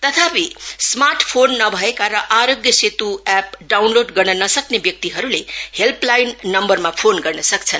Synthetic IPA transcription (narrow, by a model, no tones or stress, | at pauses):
t̪ʌt̪ʰapismarʈʰpʰonːʌbʱʌekaɾʌʔaɾoɡjʌset̪uap̚ɖawnloɖɡʌrnʌnʌsʌknebjʌk̚t̪iɦʌɾulehelplajnːʌmbʌrmapʰonɡʌrnʌsʌk̚t͡sʰʌn